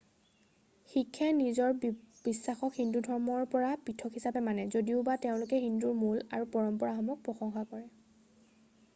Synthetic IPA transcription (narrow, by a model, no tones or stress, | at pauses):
xikʰːanizɔɹb̥isːaxɔkhindudʱɔɹmɔɹpɔɹapitʰɔkʰhisapɛmanɛzodiʊbateʊ̃lʊkɛɦinduɹmulaɹupɔɹɔmpɔɹaxɔmɔk̚pɹɔxɔŋxakɔɹɛ